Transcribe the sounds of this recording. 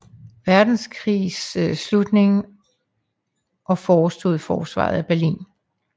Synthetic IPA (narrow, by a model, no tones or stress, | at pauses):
ʋæɐd̥n̩skʰʁḭːsslud̥ne̝ŋ | ʔɒ̽fɒːsd̥ṵðˠfɒːsʋɑ̰̈ð̩ˠæb̥æɐlḭːn